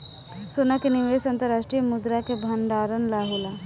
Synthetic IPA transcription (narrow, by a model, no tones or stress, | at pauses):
soːnakeniʋeːsɐ̃nt̪əɾaːʃʈɾijəmʊd̪ɾakebʱɐɳɖaːɾənlaːɦola